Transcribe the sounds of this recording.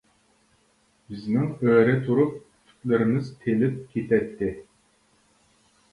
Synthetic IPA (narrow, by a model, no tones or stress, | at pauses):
bɪznɪŋøɾɛt̪ʰuɾup̚ | kʲʰy̥t̪lɪɾɪmɪzt̪ʰelɪp̚kʲʰet̪ʰɛt̪ʰːɪ